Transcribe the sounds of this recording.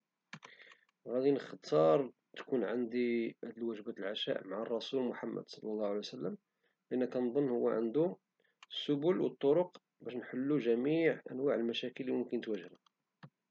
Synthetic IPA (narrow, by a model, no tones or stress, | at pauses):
ɣæd̪inəxt̪ʰɑɾˤ | t̪kunʕand̪iʔæd̪əlwæʒbæt̪əlʕaʃæ̰ʔmaʕarˤːɑsulmʊħamːə̰d̪sˤɑlːɑlˤːɑhwʕlijsəlːəm | lʔənːækænd̪ˤənːhʊwːæ̰ʕə̰nd̪u | sːʊbulwət̪ˤːoɾoq | bæʃnħəlːuʒæmiʕʔæ̰nwaʕəlmæʃækəlːimʊmkənət̪wæʒɾæ